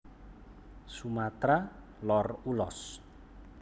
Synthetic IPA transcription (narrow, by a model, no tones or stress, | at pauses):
sumat̪ɾa | lɔrulɔ̰s